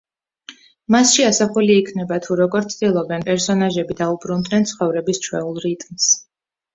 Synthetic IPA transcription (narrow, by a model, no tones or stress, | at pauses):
masʃiasaχuliːkʰnɛbat̪ʰuɾɔɡɔɾt̪sʰd̪ilˠɔbɛnpʼɛɾsɔnaʒɛbid̪aubɾund̪nɛnt̪sʰχɔvɾɛbist͡ʃʰwɛ̰ulˠɾit̪ʼms